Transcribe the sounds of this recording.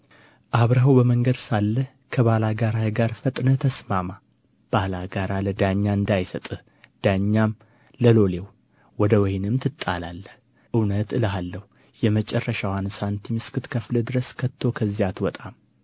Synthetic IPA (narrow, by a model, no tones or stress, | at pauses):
ʔaβɾəɦəwbəməŋɡəd̪salːəh | kʰəβalaɡaɾahɨɡaɾfət̪ʼnət̪ʰəsmama | b̥alaɡaɾaləd̪aɲːaɨnd̪ajsət̪ʼɨh | d̪̥aɲːam | ləlo̞lew | wɔd̪əwɔjnɨmt̪ʰɨt̪ʼːa̰lalːəh | ʔɨwnət̪ɨlalːəhu | jɛmət͡ʃʼɛrːəʃawansant̪ʰimɨskɨt̪kʰəfləd̪ɨɾəskʰət̪ʰːo̞kʰəzːijat̪wɔt̪ʼam